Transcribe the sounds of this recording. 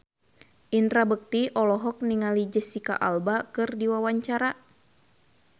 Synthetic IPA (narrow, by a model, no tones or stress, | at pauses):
ʔint̪ɾabək̚t̪iʔɔlɔɦɔk̚niŋalid͡ʒəsika̰ʔa̰lbakɨrdiwawaɲt͡ʃaɾa